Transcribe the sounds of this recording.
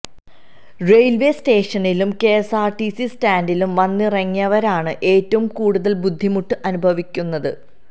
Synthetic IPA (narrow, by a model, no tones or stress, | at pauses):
re̞jlʋe̞ste̞ːʂɐnilumke̞ːsaːrʈisistaːndilumʋɐnːirɐŋːijɐʋɐɾaːɳɨʔe̞ːtːɐʋumkuːɽuðɐlbud̪ʱːimuʈːɨʔɐnubʱɐʋikʲːunːɐðɨ̰